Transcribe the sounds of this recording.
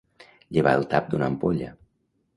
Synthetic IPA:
ʎəβaəlˠt̪ap̚d̪unəmpoʎə̰

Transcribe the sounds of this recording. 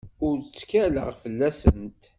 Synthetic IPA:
ʊɾt͡sːkælə̰ʁfəlːæsənt̪

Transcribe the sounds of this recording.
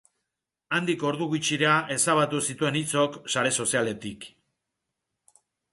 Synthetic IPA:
and̪iko̞ɾðuɣut͡ʃiɾeaʔe̞saβat̪usit̪ue̞nit͡so̞ksaɾe̞so̞siale̞t̪ik

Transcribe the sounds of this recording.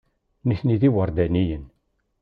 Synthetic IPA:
niθniðiwəɾˤd̪ænijən

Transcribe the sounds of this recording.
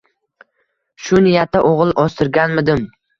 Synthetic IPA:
ʃʊnijat̪ʰːaʔoʁlˠʔɒst̪ʰɪɾɡʲanmɪd̪ɪm

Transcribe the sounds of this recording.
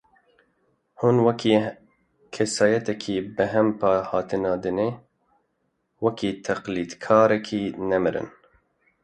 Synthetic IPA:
hunwɛkʰiː | kʰɛsɑːjɛt̪ɛkʰiːbɨɦɛmpʰɑːhɑːt̪ʰɨnɑːd̪ɨne | wɛkʰiːt̪ʰɛqliːd̪kʰɑːɾɛkʰiːnɛmɨɾɨ̰n

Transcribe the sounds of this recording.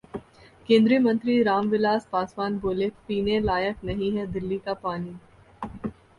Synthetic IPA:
kẽːnd̪ɾiəmə̃nt̪ɾiɾaːmʋɪlaːspaːswaːnboːlepiːnelaːjəknɐɦĩɦɛd̪ɪlːikapaːni

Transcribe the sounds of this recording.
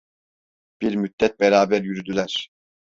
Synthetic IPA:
b̥iɾmyd̪ːɛt̪̚bɛɾaːbæɾjyɾyd̪ylʲæɾ̥

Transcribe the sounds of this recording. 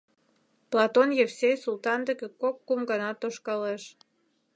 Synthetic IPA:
plɑt̪onjevsʲejsult̪ɑnd̪ə̆kekokːumɡɑnɑt̪oʃkɑleʃ

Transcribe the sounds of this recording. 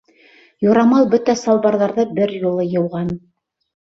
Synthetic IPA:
jŭɾɑmɑlˠbɵt̪æsɑlˠbɑɾðɑɾðɤbɘɾjulˠɤjɤ̆wʁɑn

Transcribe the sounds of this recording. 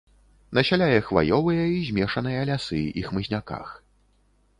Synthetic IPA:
nɐɕʲalʲajɐxva̰jɔvɨjɐizʲmʲɛʂɐnɨjɐlʲasɨḭxmɨzʲnʲaka̰x

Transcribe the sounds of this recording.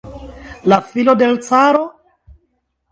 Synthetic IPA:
lafilode̞lt͡saɾo

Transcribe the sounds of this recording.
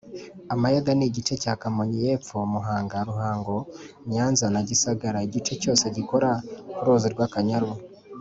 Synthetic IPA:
amajedaniɟit͡ʃe̞cakamoɲijeːp͡fomuɦaːŋɡaɾuɦaːŋɡo̞ | ɲɲaːnzanaɟisaɡaɾaiɟit͡ʃe̞co̞ːse̞ɟiko̞ɾakuɾoːziɾɡwakaɲaɾu

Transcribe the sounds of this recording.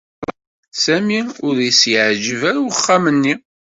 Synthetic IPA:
sæmiʊɾjəsjʕʒəvæɾχːamənːi

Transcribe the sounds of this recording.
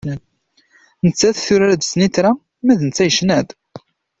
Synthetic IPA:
nət͡sːæθθʊɾæɾæd̪snit̪ɾa | mæðənət͡sːæjəʃnæd̪

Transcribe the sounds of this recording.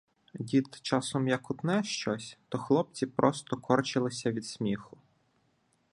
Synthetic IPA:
dʲit̪t͡ʃɑsɔmjɐkʊt̪nɛʃt͡ʃɔsʲt̪ɔxlˠɔp̚t͡sʲipɾɔst̪ɔkʰɔrt͡ʃɪlˠɪsʲɐʋʲid̪sʲmʲixʊ

